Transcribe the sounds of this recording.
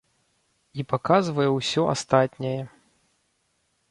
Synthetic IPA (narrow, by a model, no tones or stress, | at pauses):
ipakazvɐjɛwsʲɔʔa̰st̪at̪ʲnʲɐjɛ